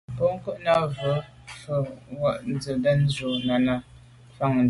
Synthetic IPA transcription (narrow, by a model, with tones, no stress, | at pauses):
pɔ˦ŋ̩˦kə˦ʔna˦və˨˦ | fə˨wa˦˨ʔn̩˦d͡zə˨də˦n̩˦zo˨na˨na˨ | fa˦˨ŋ˨